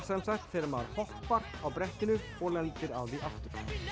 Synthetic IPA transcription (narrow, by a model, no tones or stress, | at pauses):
sɛmsakt̪fɪɾmaðɾhɔhpaɾawpɾɛht̪ɪnʏ | ɔɣlɛnt̪ɪɾawðiʔaft̪ʏɾ̥